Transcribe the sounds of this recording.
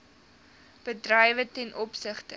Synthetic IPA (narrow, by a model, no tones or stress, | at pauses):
b̥ədrəjvətɛnʔɔpsəχtə